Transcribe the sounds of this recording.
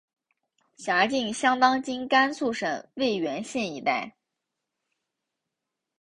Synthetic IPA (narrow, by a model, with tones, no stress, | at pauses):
ɕja˧˥t͡ɕi˥˩ŋɕjɑ˥ŋt̪ɑ˥ŋt͡ɕi˥ŋka˥nt͡sʰu˥˩ʂɤ˨˩ŋwe˥˩ɪɥɛ˧˥nɕjɛ˥˩ni˧˥t̪a˥˩ɪ